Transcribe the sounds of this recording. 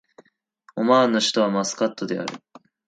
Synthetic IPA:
omaːnːoɕi̥t̪o̞β̞amasɨ̥kat̪ːo̞d̪e̞a̰ɾɯ̟̰

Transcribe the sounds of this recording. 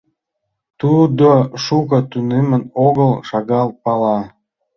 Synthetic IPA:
t̪ud̪oʃukə̆t̪ynemənoɣəlʃɑɣɑl̚pɑlɑ

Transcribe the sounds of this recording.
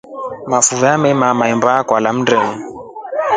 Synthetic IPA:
mafuvamɛmamaɛmbakwalam̩ndɛŋu

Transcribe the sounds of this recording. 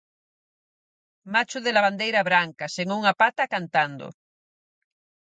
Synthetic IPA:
mat͡ʃʊðelaβand̪ejɾaβɾaŋkaseŋuŋapat̪akant̪and̪o̰

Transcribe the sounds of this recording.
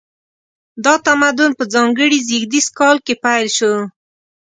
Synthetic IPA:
d̪ɑt̪amad̪ʊnpəzɑŋɡəɽiziɡd̪iskɑlkepajlʃo

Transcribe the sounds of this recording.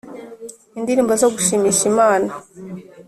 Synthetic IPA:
indiɾiːmbozoɡuʃimiːʃimaːna

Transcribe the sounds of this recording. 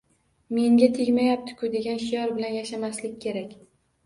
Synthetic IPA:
me̞ŋɡʲat̪ʰeɡʲmajap̚t̪ʰɪ̥kʰʊd̪e̞ɡʲanʃijɒɾbɪlanjaʃamaslɪkʲːʰe̞ɾakʲ

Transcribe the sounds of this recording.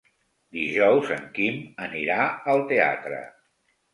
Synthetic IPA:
d̪iʒɔwzə̰ŋkiməniɾaəlˠt̪ea̰t̪ɾə̰

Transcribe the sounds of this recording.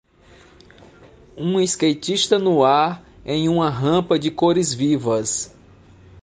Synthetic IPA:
ũiskejt͡ʃiʃt̪ɐnʊaɾ | ẽj̃ũmɐɦɐ̃pɐd͡ʒɪkoɾɪzvivɐs

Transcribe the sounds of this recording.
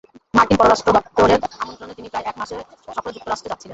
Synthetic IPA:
maɾkinpɔɾoɾaʃʈɾodɔt̪ːoɾeamont̪ɾonet̪inipɾajʔɛkmaʃe | ʃɔkoled͡ʑuk̚t̪oɾaʃtʈɾod͡ʑatːɕʰilen

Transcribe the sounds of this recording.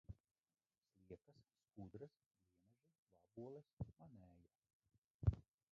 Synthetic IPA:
slˠiɛkasːkud̪ɾas | vʲiɛnɛʒɛ | vabuɔlˠɛsmanɛːja

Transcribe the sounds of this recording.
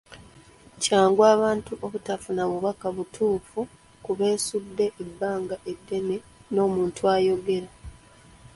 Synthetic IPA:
caːŋɡwaːβaːntuʔo̞βutafunaβuβakaβutʰuːfu | kuβe̞ːsudːe̞ʔːbːaːŋɡaʔe̞dːe̞ne̞ | no̞ːmuːntwaːjo̞ɡe̞ɾa

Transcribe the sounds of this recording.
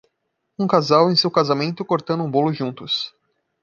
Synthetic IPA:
ũŋkazawẽj̃sewkazamẽnt̪ʊkoɾt̪ɐ̃nd̪ʊũbolʊʒũnt̪ʊs

